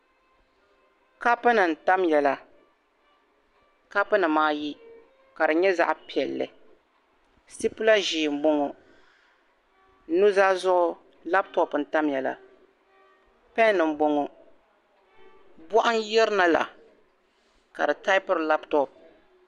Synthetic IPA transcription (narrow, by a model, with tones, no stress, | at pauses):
ka˦pɨ˦nɨ˨n̩˨ta˦mjɛ˨la˨ | ka˦pɨ˦nɨ˨maː˦ji˦ | ka˨dɨ˨ɲɛ˦za̰˦ʔpi˨ɛ˨lːɨ̰˨ | si˦pɨ˦la˦ʒi˨m̩˨bo˨ŋo˨˦ | nu˦zaː˦zʊ˦ʔʊ˦ | la˦ptɔ˦pn̩˨ta˦mjɛ˨la̰˨ | pɛ˦nːɨ˨m̩˨bo˨ŋo˨ | bɔ˦ʔʊ˦njɛ˦ɾɨ˦na˨la̰˨ | ka˨dɨ˨ta˦ɪ˦pɨ˦ɾla˦ptɔ˦˨p̚